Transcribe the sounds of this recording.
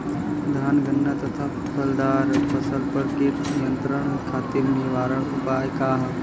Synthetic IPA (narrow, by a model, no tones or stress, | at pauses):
d̪ʱaːnɡənːat̪ɐt̪ʰaːpt̪ʰpʰəld̪aːɾbɐsəlpɐɾkenijənt̪ɾəɳ̃kʰaːt̪iɾnɪʋaːɾəɽʊpaːjkaːɦ